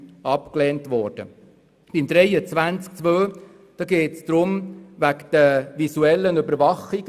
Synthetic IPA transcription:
ɑpklɛːntʋɔɾd̥ə̰ | b̥ɪmd̪ɾɛɪət͡sʋænt͡sk̚t͡sʋøː | d̥ɑːɡeːtsd̥̪ɾʊmʋækd̥əvisuɛlːənybəɾvɑχi

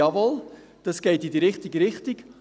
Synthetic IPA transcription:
ɑvɔl | d̥ɑsɡ̥ɛɪtidəɾɪχtiɡəɾɪχtɪk

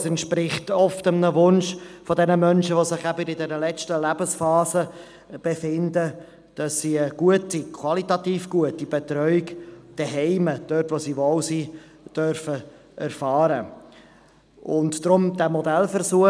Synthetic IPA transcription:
sɛntʃpɾɪχtɔftəmnəvʊnʃfɔdɛnəmœnʃəʋosɪχæbəɾɪdɛɾəlɛt͡stəlæbəsfɑːzə | b̥efɪndə | d̥ɑsːiəɡ̥uətikʰwɑlitɑtiːfɡ̥uətːib̥et̪ɾœʏɪkd̥ɛɦɛɪməd̥øtʋosiʋoʊsiː | d̥œɾfə | ɛɾfɑːɾə | ʔʊntːɾʊmd̥æːmɔdɛlfəɾsuə

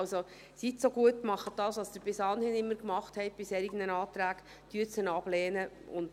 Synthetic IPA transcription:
lso | sitsoɡuətmɑχət̚d̥ɑːsʋɑsd̥̪əɾb̥ɪsɑːnhɪnɪmːəɾkmɑχthɛɪt̚b̥ɪshɛɾɪɡənənɑːtɾæːɡ | d̥yəsənɑb̥lɛːnə | ʊ̰nd

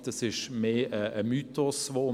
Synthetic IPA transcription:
d̪̥ɑsɪʃmeːəəmyːt̪ɔsʋoːʊ

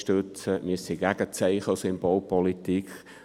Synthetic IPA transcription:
ʃtøt͡səmiəsiɡ̥æɡət͡sɛɪχəsɪmbolpɔlit̪ik

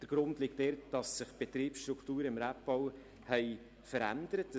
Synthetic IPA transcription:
d̥əɾɡ̥ɾʊndlɪk̚tdɛɾd̥ɑsːɪχb̥ɛt̪ɾiːpsʃtɾuktuːɾəɪmɾæp̚b̥ɔw | hɛɪ | fəɾæ̰ndəɾətːə

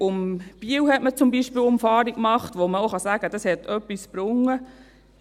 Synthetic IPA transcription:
ʊmb̥iəwhɛtmət͡sʊmbiʃpiːlʊmfɑːɾikkmɑχtʋoməoχɑsæːɡ̥əd̥ɑshɛtœpːisb̥ɾʊŋːə

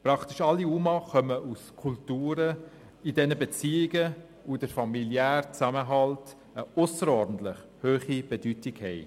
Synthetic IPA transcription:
pɾɑktɪʃɑlːiumɑχœməʔuskʰultuːɾə | idɛnəbet͡siːɪɡə | udəɾfɑmiljæːrt͡sæməɦɑlt | əʊsəɾɔɾdn̩t̪lɪχ | høːχib̥edytɪɡhɛɪ

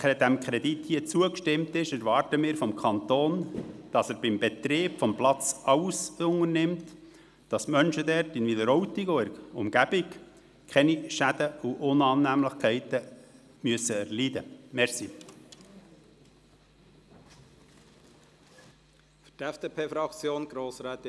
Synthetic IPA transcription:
ɛd̥̪æmkʰɾɛd̪it̪hiət͡suəkʃtɪmt̪ɪʃɛɾʋɑːɾtəmɪːɾfɔmkʰχɑnt̪oːnd̥ɑsæɾb̥ɪmbɛt̪ɾeːpfɔmplɑt͡sɑwsʊŋərnɪmt | d̥ɑsmœnʃəd̪ɛɾtɪnviləɾɔwtiɡoəɾʊ̰mɡ̥æb̥ɪk | kʰɛniʃæd̥̪əuʔʊnɑːnːæmləχkʰɛɪtə | myəsəɛɾlid̪əmɛɾsi | fy̥tɛfd̥eːpʰeːfɾɑkt͡sjoːnɡ̥ɾoːsɾɛːt̪

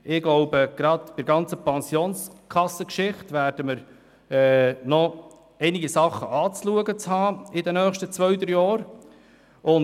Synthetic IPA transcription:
ɪɡ̥loʊbəɡ̥ɾɑdpɪɾɡɑnt͡səpɑnsioːnskʰɑsːəkʃɪχtʋæːɾd̥əməɾ | ɛːnɔ | ɛɪniɡisɑχːəʔɑːt͡sluəɡət͡shɑːɪdɛnœːχʃtət͡sʋœʏt̪əɾjɑːɾ | ʊn

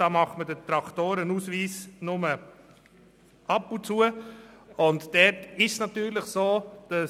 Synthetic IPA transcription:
d̥ɑːmɑχtmədət̪ɾɑktoːɾənuːsviːsnʊmə | ɑpʊnt͡suə | ʊntd̥ɛɾtɪʃsnɑtyːɾləχsoːd̥ɑ

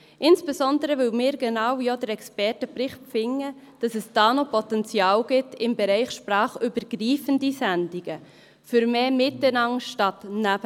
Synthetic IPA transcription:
ʔɪnsb̥esɔndəɾəʋɪlmɪːɾɡ̥enɑwjodəɾɛkspɛrtəpɾɪχtp͡fɪŋːə | d̥ɑsɛsd̥ɑːnopʰɔtɛnt͡sjɑːwɡ̥ɪtɪmbɛɾɛɪχʃprɑːχybəɾɡ̥ɾiːfəndisændiɡ̥ə | fʏɾmeːmɪtənɑŋʃtɑtnæb̥ə

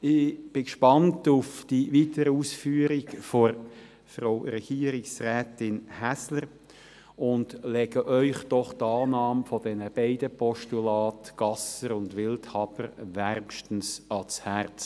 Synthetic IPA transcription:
ɪb̥ɪkʃpɑntʊfd̥iviːtəɾəuːsfyːɾɪkfoɾ | fʁoʊɾɛɡ̥iːəɾɪksrɛːtɪnhæsləɾ | ʊnd̥lɛɡəʔœʏχd̥ɔχtɑːnɑːmfɔdɛnəb̥ɛɪdəpɔʃtulɑːtɡ̥ɑsəɾʊndʋɪlthɑbəɾʋærmʃtən̩sɑshæɾt͡s

